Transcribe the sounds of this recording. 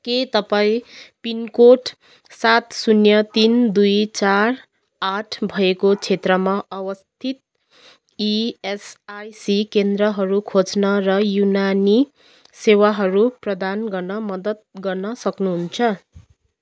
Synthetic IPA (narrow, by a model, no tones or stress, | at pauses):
ket̪ʌpaĩpinkoʈ | sat̪sunjʌt̪ind̪ujt͡sar | aʈʰbʱʌekot͡sʰet̪rʌmaʔʌwʌst̪ʰit̪̚ | iesajsikend̪rʌɦʌɾukʰod͡znʌrʌjunani | sewaɦʌɾuprʌd̪anɡʌrnʌmʌd̪ʌt̪̚ɡʌrnʌsʌknuɦunt͡sʰʌ